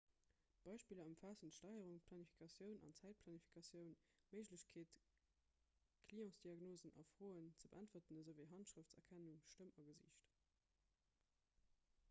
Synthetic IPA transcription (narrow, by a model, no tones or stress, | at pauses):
b̥ɑɪʃpiːləɑmfaːsuntʃtɑɪəʁuŋpʰlɑnifi̥kʰɑsjəʊnɑ̰nt͡sæɪt̚pʰlɑnifi̥kʰɑsjəʊnməɪʒləɕkʰeːt | kʰliːɔ̃sd̥iɑɡnoːzənʔɑ̰fʁoːənt͡səbəʔæntvətənəzəʊveɪɦɑntʃʁ̥əftt͡sɐkʰænuŋʃtəmɑɡəzḭːɕt